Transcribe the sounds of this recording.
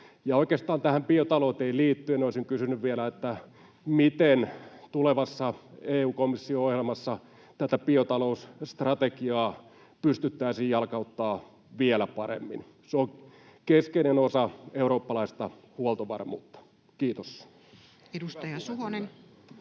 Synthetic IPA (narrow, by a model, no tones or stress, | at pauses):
jɑoikeːst̪ɑːnt̪æhæmpiot̪ɑloːt̪eiliːt̪ːynoˑisiŋkysynyʋʋielæet̪ːæ | mit̪ent̪uleʋɑsːɑeːuːkomisːioohjelmɑsːɑ | t̪æt̪æpiot̪ɑlousst̪rɑt̪ekiɑː | pyst̪yt̪ːæisiːjjɑlkɑut̪ːɑː | ʋielæpɑɾḛmːḭn | seokeskenenosɑeuɾoːpːɑlɑist̪ɑhuolt̪oʋɑ̰rmṵːt̪ːɑ̥ | kiːt̪os | edust̪ɑjɑsuɦonen